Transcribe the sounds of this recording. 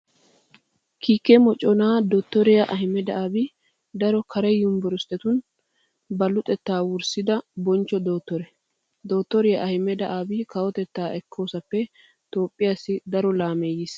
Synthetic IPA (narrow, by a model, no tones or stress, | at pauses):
kʰiːkːɛmɔt͡ʃʼːɔnaːd̪oːt̪ːɔɾɪjɐʔɐɦɪmɛd̪ɐʔaːbɪ | d̪ɐɾɔkʰɐɾɛjːʊmbɔɾʊst̪ʼːɛt̪ʊn | bɐlʊt̪ʼɛt̪ːaːwʊɾsɪd̪ɐbɔnt͡ʃːɔd̪o̞ːt̪ːɔɾɛ | d̪o̞ːt̪ːɔɾɪjɐʔɐhɪmːɛd̪ɐʔaːbɪkɐwɔt̪ɛt̪ːaːɛkʰːoːsɐpːɛ | t̪o̞ːpʼːɪjasːɪd̪ɐɾɔlaːmeːjɪs